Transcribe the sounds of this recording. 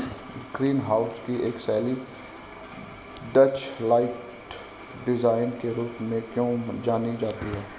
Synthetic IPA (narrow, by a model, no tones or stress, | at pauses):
ɡ̥ɾiːnɦaːʊskiʔeːksɛːli | ɖət͡ʃlaːɪʈ | ɖɪzaːɪnkeɾuːpmẽkjõːd͡ʒaːnid͡ʒaːt̪iɦɛː